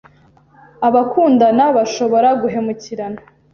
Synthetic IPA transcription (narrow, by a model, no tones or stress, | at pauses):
aβakʰuːndanaβaʃo̞βo̞ɾaɡuɦe̞muciɾana